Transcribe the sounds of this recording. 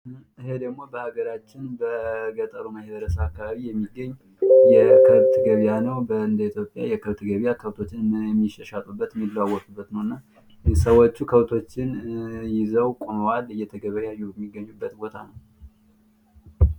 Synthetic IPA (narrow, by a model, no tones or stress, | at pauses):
ʔɨhed̪əɡmo̞bəhaɡəɾat͡ʃːɪnbəɡət̪ʼəɾuməhβəɾəsəakːaβaβijɛmːiɡːəɲː | jɛkʰəβt̪ɡəβjanəwbəɨnd̪əit̪ʰjo̞pʼja̰jɛkʰəβt̪ɡəβjakʰəβt̪ʰo̞t͡ʃːɪnmɨnjɛmːiʃəʃat̪ʼubːət̪jɛmːilːawɔt̪ʼubːət̪nəwɨnːa | səwot͡ʃːukʰəβt̪ʰo̞t͡ʃːɪnjɪzəwkʼoməwalɨjːɛt̪ʰəɡəβajajːujɛmːiɡːəɲːubːət̪bo̞t̪ʰa̰nəw